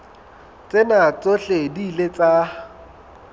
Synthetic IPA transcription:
t͡sʼenat͡sʼoɬediːlet͡sʼa

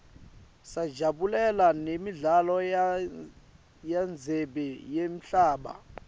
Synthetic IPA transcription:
sḁd͡ʒʱaɓulɛlanemiɮalɔ | jand͡zʱɛɓɛjem̩ɬaːɓa̰

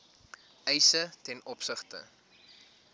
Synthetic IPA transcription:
ɛjsətɛnɔpsəχtə̰

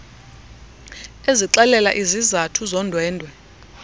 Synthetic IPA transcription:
eziǁɛlɛla̰ʔizizatʰuzɔndʱwɛːndʱwɛ

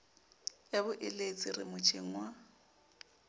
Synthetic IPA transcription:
ebʊʔɪlet͡sʼɪrɪ̰mʊt͡ʃʰʼiŋ̩wa

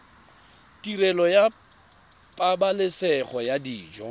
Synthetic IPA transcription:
tirɛlɔja | pʼabalɪsɛχɔjadiːd͡ʒɔ

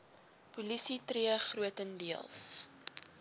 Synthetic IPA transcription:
pulisitriəχruətəndiəlˠs

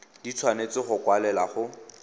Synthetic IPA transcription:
dit͡sʰwanet͡sɪχʊkwalɛlaχʊ

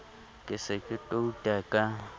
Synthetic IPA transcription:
kʼɪsɪkʼɪtʼoutʼakʼa

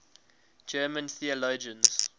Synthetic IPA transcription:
d͡ʒɜːmə̃nθiəloːd͡ʒə̃nz̥

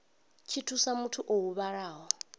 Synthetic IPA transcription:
t͡ʃʰitʰusamutʰuʔoɦuβaɺaːɦɔ

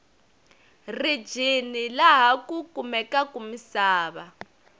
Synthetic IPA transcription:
ri̥d͡ʒʱinilaɦakukumɛkakumisaːβa

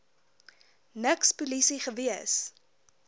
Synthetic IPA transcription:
nəkspulisiχəviəs

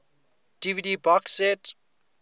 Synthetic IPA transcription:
d̥ividibɔksɛt

